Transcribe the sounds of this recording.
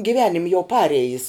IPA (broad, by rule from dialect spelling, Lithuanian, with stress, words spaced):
ɡʲɪˈʋʲæːnʲɪmʲ jɛʊ ˈpɑːrʲɛjɪs